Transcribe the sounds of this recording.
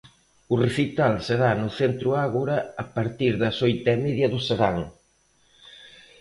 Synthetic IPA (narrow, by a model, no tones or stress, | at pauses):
ʊreθit̪alseɾanʊθent̪ɾʊaɣuɾɐɐpaɾt̪iɾðɐsojt̪ɛmeðjɐðʊseɾaŋ